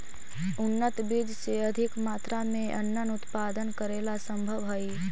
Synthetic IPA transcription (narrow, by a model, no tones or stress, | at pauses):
ʊnːət̪biːd͡ʒseɐd̪ʱɪkmaːt̪ɾamẽʔɐ̰nːənʊt̪paːd̪ənkəɾeːlasə̃mbʱəʋɦɐi